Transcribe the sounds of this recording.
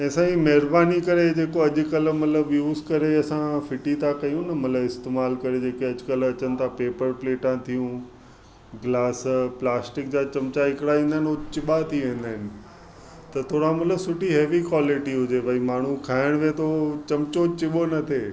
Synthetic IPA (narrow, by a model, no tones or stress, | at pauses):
ɛ̃ːsãimɐɦɪɾbaːnikɐɾed͡ʑeːkoɐʄʊ̆kəlmɐt̪ləbjuːzkɐɾeɐsãfɪʈit̪ʰakɐjũnɐmɐt̪ləbɪst̪eːmaːlkɐɾed͡ʑeːkeɐʄʊkəlɐt͡ɕənɪt̪ʰapeːpəɾpleːʈãt̪ʰijũ | ɡlaːsplaːsʈɪk̚d͡ʑaːt͡ɕɐmt͡ɕaɪkɪɽaĩːnd̪aɦɪnot͡ɕɪɓat̪ʰiʋẽːnd̪aːɪnɪ̆ | t̪ɐt̪ʰoːɽamɐt̪ləbsʊʈiɦeːʋikwaːlɪʈiɦʊd͡ʑebʱɐimaːɳ̤ũkʰaːɪɽ̃met̪ʰot͡ɕɐmt͡ɕot͡ɕɪɓonɐt̪ʰe